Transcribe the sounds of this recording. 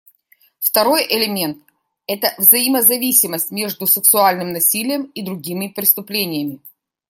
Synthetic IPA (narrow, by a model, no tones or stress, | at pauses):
ft̪ɐɾo̞jʔɪlʲɪmʲe̞nt̪̚ | ɛt̪əvzɐjɪməzɐvʲisʲɪməsʲtʲmʲe̞ʐd̪ʊsɨksʊalʲnɨmnɐsʲilʲɪjəmid̪ɾʊɡʲimʲɪpɾʲɪst̪ʊplʲenʲɪjəmʲɪ